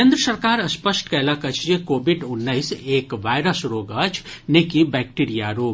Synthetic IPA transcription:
ẽːnd̪ɾəsəɾkaːɾɐspəsʈkɛːlakɐt͡ʃʰd͡ʒekoːbɪɖʊnːəɪseːkʋaːɪɾəsɾoːɡɐt͡ʃʰnekibɛːk̚ʈiɾijaɾoːɡ

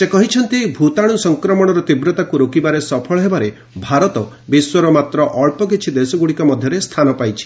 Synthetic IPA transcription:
sekɔɦit͡ʃʰɔnt̪ibʱut̪aɽ̃usɔŋkɾɔmɔɽ̃ɔɾɔt̪ibɾɔt̪akuɾokibaɾesɔpʰɔɭɔɦebaɾe | bʱaɾɔt̪ɔ | biswɔɾɔmat̪ɾɔʔɔɭpɔk̬it͡ʃʰid̪esɔɡuɽikɔmɔd̪ʱjɔɾest̪ʰanɔpajt͡ʃʰi̥

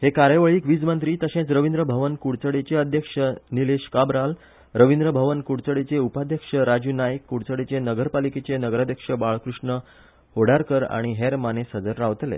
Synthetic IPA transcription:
hekaɾjəʋəɭiːkʋid͡zmənt̪ɾiːt̪əɕẽt͡sɾəʋind̪ɾəbʱəʋənkuɽt͡səɽet͡ɕeəd̪ʱjəkʂənileɕkabɾal | ɾəʋind̪ɾəbʱəʋənkuɽt͡səɽet͡seupad̪ʱjəkʂəɾad͡ʑuːnajəkːuɽt͡səɽet͡senəɡəɾpaliket͡senəɡɾad̪ʱjəkʂəbaɭkɾuʂɳə | hoɽ̤aɾkəɾa̰ɽ̃iɦeɾmanesəd͡zəɾːaʋt̪lḛ

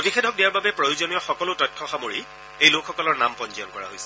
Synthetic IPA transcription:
otixʰɛdʱɔk̚dijaɹbabɛpɹojuzonijɔxɔkɔlotɔjt̚kʰɔxamoɹi | ejlokxɔkɔlɔɹnampɔnzijɔnkɔɹa̰ɦo̰jsɛ̥

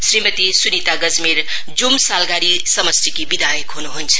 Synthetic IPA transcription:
sɾimət̪isunit̪aɡəd͡zmiɾ | d͡zumsalɡaɾisəməst̪ʰikibid̪ʱajəkɦunuɦunt͡sʰɐ̥

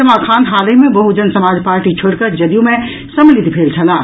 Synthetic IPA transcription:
ɐmaːkʰãːnd̪ɦaːlemẽbɐɦud͡ʒənsɐmaːd͡ʒpaːɾʈit͡ʃʰoɽkəɾd͡ʒɐd̪ijõmẽ | sɐmlɪd̪pʰeːlt͡ʃʰɐlaː

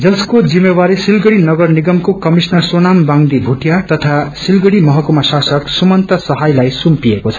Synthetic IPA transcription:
d͡zʌskod͡zimewaɾisilɡʌɽinʌɡʌrniɡʌmkokʌmisnʌrsonambaŋd̪ibʱuʈijat̪ʌt̪ʰasilɡʌɽimʌɦʌkumasasʌksumʌnt̪ʌsʌɦajlajsumpiekot͡sʰʌ

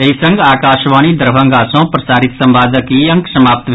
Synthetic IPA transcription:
eisə̃ŋɡaːkaːʃʋaːnid̪əɾbʱə̃ŋɡaːsõːpɾəɐsaːɾit̪sɐmbaːd̪ʱəkiəŋksɐmaːp̚t̪b

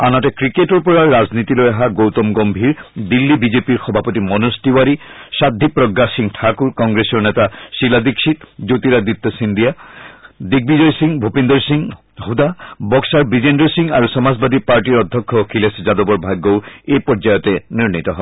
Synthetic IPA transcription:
anatekɾikeʈɔɾpɔɹaːaznit̪ilojaɦaɡowt̪ɔmɡɔmbʱiɹd̪ilːibid͡ʑepiɹxɔbʱapɔt̪imɔnostiwaɾiʃad̪ʱːipɾɔɡːasiŋʈʰakuɾkɔŋɡɾesɔɹnɛt̪aʃilad̪ikʃit̪d͡ʒot̪iɾad̪ipt̪ːɔsind̪ija | d̪iɡ̚bid͡ʑɔjsiŋbʱopend̪ɔɹsiŋ | ɦud̪abɔksaɹbid͡ʑenɖɔɹsiŋa̰ɾusɔmazbad̪ipaɹʈiɾɔd̪ʱːɔkʰːɔkʰilesd͡ʒad̪obɔɹbʱaɡːowejpɔɾd͡ʒajɔt̪eniɾnit̪ɔɦɔe

